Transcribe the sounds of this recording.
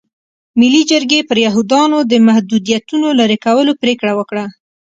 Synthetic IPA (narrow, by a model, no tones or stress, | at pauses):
milid͡ʒəɾɡepəɾjaɦud̪ɑnod̪əmahd̪ud̪ijat̪unolaɾekawəlopɾekɽawəkɽa